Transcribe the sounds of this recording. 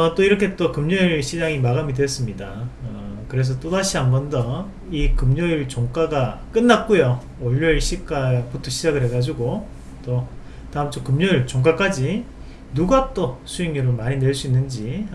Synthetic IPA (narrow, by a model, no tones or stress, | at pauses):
ʌt͈oiɾʌkʰe̞t͈okɯmɲʌiɭɕʰid͡ʑaŋimaɡamidwes͈ɯmɲidaʌkɯɾe̞s̬ʰʌt͈odaɕʰiɦambʌndʌ | ikɯmɲʌiɭt͡ɕoŋk͈aɡak͈ɯnːat̚k͈ojo | ʌʎːʌɭɕʰik͈aputʰoɕʰid͡ʑaɡɯɭɦe̞ɡad͡ʑuɡo | t͈o | taɯmt͡ɕʰokɯmɲʌiɭt͡ɕoŋk̬͈ak͈ad͡ʑi | nuɡat͈osʰuiŋiɾomaɲine̞ɭs͈uinːɯnd͡ʑi